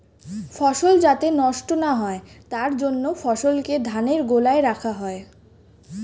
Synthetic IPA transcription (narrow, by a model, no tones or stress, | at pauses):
fɔʃold͡ʑat̪enɔʃʈonaɦɔet̪aɾd͡ʑonːofɔʃolked̪ʱaneɾɡolaeɾakʰaɦɔe